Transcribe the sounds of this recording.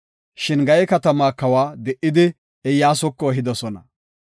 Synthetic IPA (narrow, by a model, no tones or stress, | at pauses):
ʃɪnɡɐjɛkɐt̪ɐmaːkɐwaːd̪ɛʔɪd̪ɪ | ɛjːaːsɔkːɔɛɦɪd̪ɔsɔnɐ̰